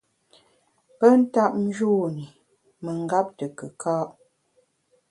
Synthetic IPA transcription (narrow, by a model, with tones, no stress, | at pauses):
pə˦n̩˦ta˦p̚n̩˦d͡ʒu˦˨ni˨ | mə˨ŋ̩˦ɡa˦p̚tə˨kə˨kʰaː˦ʔ